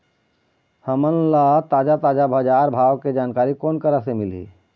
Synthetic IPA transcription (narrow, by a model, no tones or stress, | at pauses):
həmənlat̪aːd͡ʒat̪aːd͡ʒabʱəd͡ʒaːɾbʱaːwked͡ʒaːnkaːɾikoːnkəɾəsemɪlḭ